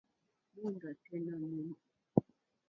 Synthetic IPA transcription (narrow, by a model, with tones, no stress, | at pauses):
mu˦n˨da˨tɛ˦na˦nu˦m˨